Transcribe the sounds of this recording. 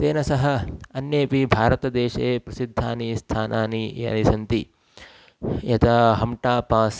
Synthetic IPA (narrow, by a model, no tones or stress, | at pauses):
t̪eːnɐsɐɦɐ̆ɐnjeːpibʱaːɾɐt̪ɐd̪eːʃepɾɐsid̪ʱːaːnist̪ʰaːnʔaːniɐ̰nisɐnt̪i | jɐt̪ʰɐɦɐmʈaːpaːs